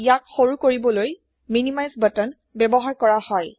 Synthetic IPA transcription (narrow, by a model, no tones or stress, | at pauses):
ijakxoɹukoɹibɔloj | minimajzbətɔn | bɛbɔɦaɹkɔɹahɔj